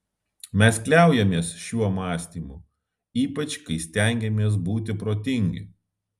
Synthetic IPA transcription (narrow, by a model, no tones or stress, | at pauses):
mʲɛsklʲæˑʊjɛmʲeɛsʃʲuɔmɑːsʲt̪ʲiːmu | iːpɐt͡ʃkɐɪsʲt̪ʲɛˑŋʲɡʲɛmʲeɛs̬buːt̪ʲɪpɾoːt̪ʲɪŋʲɡʲɪ̰